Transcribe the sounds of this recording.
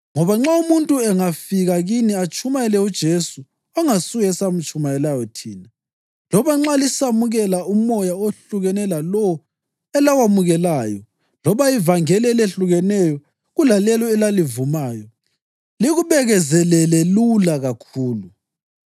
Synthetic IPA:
ŋɔβaŋ͡ǁaumuntʼuɛŋafiɣaɣiniat͡ʃʼumajɛlɛud̥ʒ̥ʱesu | ɔŋasuɣɛsam̩t͡ʃʼumajɛlajɔtʰiːna | lɔβaŋ͡ǁalisamuɣɛlaumɔjaoɬuɣɛnɛlalɔ | ɛlawamuɣɛlaːjɔ | lɔβaivaŋɛlɛleɬuɣɛnɛjɔ | ɣulalɛlɔɛlalivumaːjɔ | liɣuβɛɣɛzɛlɛlɛlulaɣakʰuːlu

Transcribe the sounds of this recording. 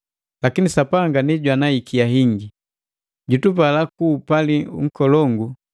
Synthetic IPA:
lakinisapaŋɡaniɟwanaikijaɦiŋɡi | ɟutupalakuːpaliṵŋ̩kɔlɔŋɡu

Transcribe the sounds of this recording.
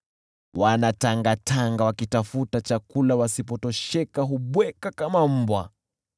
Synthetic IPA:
wanataŋɡatʰaŋɡawakitafutat͡ʃakulawasipɔtɔʃɛkaɦuɓwɛkakamam̩bwa

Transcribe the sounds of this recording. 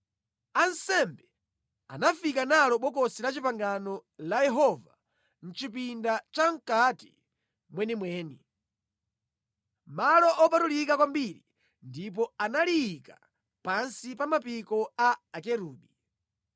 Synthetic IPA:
ansɛmbɛ | a̰nafikanalɔɓɔk̬ɔsilat͡ʃipaŋɡanɔlajɛɦɔva | n̩t͡ʃipindat͡ʃaŋ̩kati̥̰ | mwɛnimwɛːni | malɔʔɔpatulikakwambiɾi | ndip̬ɔanalijka | pansipamapikɔaakɛɾuːɓi

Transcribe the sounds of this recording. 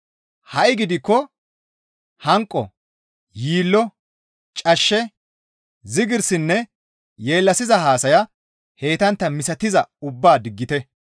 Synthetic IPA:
hɐʔɪɡɪd̪ɪkːɔ | hɐŋkʼːɔ̰ | jiːlːɔ | t͡ʃʼɐʃːɛ | zɪɡɪɾsɪnːɛ | je̞ːlːɐsɪzɐɦaːsɐjɐ | he̞ːt̪ɐnt̪ːɐmɪsɐt̪ɪzɐʊbːaːd̪ɪɡːɪt̪ɛ

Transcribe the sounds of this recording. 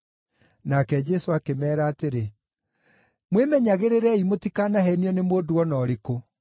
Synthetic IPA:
nakɛd͡ʒɛsoakemɛːɾaːteɾe | mwemɛɲaɣeɾeɾɛimotikaːnahɛniɔnemoːduɔnɔːɾeko

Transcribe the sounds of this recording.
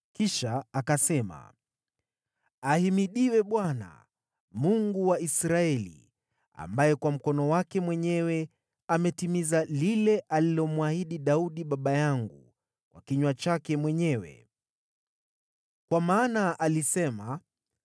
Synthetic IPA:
kiʃaakasɛma̰ | ahimiɗiwɛɓwana̰ | muŋɡuwaisɾaɛlḭ | a̰mbajɛkwam̩kɔnɔwakɛmwɛɲɛwɛ | amɛtimizalilɛʔalilɔmwahiɗiɗauɗiɓaɓajaŋɡṵ | wa̰kiɲwat͡ʃakɛmwɛɲɛwɛ̰ | kwamaːnaʔalisɛma

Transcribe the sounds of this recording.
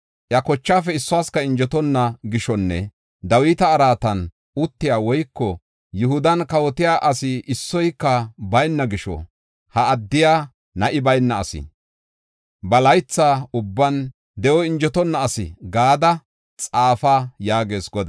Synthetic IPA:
ʔjɐkɔt͡ʃːaːfɛɪsːɔwaːskɐɪnd͡ʒɔt̪ɔnːɐɡɪʃɔnːɛ̰ | d̪ɐwiːt̪ɐːɾaːt̪ɐn | ʊt̪ːɪjaːwɔjkːɔ | jʊhʊd̪ɐnkɐwɔt̪ɪjaːʔɐsɪʔɪsːɔjkːɐbɐjnːɐɡɪʃɔ̰ | hɐːd̪ːɪjaː | nɐʔɪbɐjnːɐːsɪ̰ | bɐlɐjt͡sːaːʊbːɐn | d̪ɛʔɔɪnd͡ʒɔt̪ɔnːɐːsɪ̰ɡaːd̪ɐ | t͡sʼaːfaːjaːɡe̞ːsɡɔd̪ɐ

